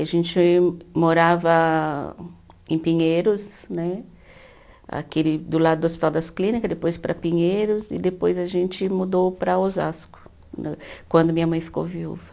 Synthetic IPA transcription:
aʒẽnt͡ʃɪmoɾavɐ | ẽpĩɲejɾʊsnɛ | a̰kelɪd̪ʊlad̪ʊd̪ʊospi̥t̪awd̪ɐsklĩnikɐd̪epojspɾɐpĩɲejɾʊzɪ̰d̪epojzɐʒẽnt͡ʃɪmud̪owpɾɐoza̰skʊ̥ | nkwɐ̃nd̪ʊmĩɲɐmɐ̃j̃fi̥ko̰wviṵvɐ

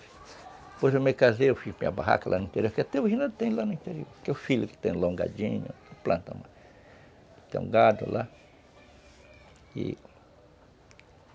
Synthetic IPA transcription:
posomekazeofimĩa̰baɦa̰kalʔanuĩnt̪eɾjoɾkeat̪ewoʒinãt̪ẽjlanʊĩnt̪eɾjoɾkeofiloke̥t̪ẽloŋɡa̰d͡ʒĩɲo̰plãnt̪amã | t̪ḛ̃ṵ̃ŋɡad̪o̰lʔa | ḭ

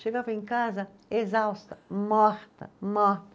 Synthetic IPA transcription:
ʃeɡavɐẽŋkazɐ | ezawst̪ɐmɔɾt̪ɐ̰mɔɾt̪ɐ

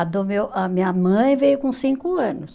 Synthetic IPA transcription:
d̪ʊmewɐmĩɲɐmɐ̃j̃vejʊkõsĩŋkʊɐ̃nʊs

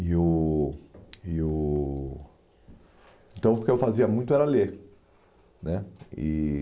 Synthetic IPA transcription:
ɪʊ | iʊ | ẽnt̪ɐ̃w̃ʊkeewfaziɐmũj̃t̪ʊɛɾɐleɾ | nɛɪ̰

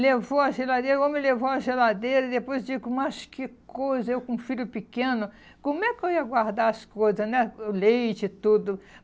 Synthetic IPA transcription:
levoɐʒelad̪eɾɐemɪlevoɐʒelad̪ejɾɐid̪epojzd͡ʒiɡʊmɐskɪkojzɐewkõfiɾʊpikẽnʊ | kõmʊɛkɪewiɐɡwaɾd̪aɾɐskojzɐsnɛlejt͡ʃɪt̪ud̪ʊ

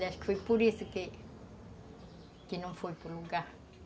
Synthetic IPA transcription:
dɛʃkfojpoɾisʊkɪ | kɪnɐ̃w̃fojpʊɾluɡaɾ

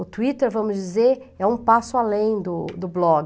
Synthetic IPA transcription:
ʊt̪uit̪eɾvɐ̃mʊzd͡ʒizeɾɛũpasʊalẽj̃d̪ʊd̪ʊblɔɡɪ

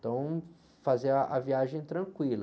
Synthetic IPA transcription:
t̪ɐ̃w̃ | fazeʔɐviaʒẽj̃t̪ɾɐ̃kwilɐ

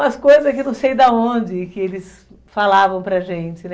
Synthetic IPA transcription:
ɐskojzɐkɪnɐ̃w̃sejd̪ɐõnd͡ʒɪkɪelɪs | falavɐ̃w̃pɾɐʒẽt͡ʃɪnɛ

